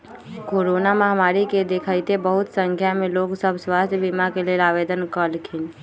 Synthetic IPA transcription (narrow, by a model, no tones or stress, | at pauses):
koːɾonaməɦmaːɾiked̪ekʰəjt̪ebəɦʊt̪sə̃ŋkʰjameloːɡsəbswast̪ʰjbimakeleːlabed̪ənkəlkʰin